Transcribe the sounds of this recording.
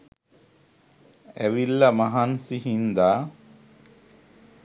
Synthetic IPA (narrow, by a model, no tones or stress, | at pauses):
ɛʋilːɐmɐɦansiɦind̪aː